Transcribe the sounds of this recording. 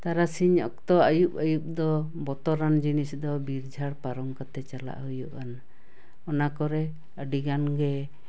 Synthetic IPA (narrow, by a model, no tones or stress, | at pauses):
t̪aɾasiɲɔ̰k̚t̪ɔajup̚əjup̚d̪ɔ | bɔt̪ɔɾand͡ʒinisd̪ɔbiɾd͡ʒʱaɽpaɾɔmkat̪ɛt͡ʃala̰ʔɦujuʔan | ɔnakɔɾɛ | əɖiɡanɡɛ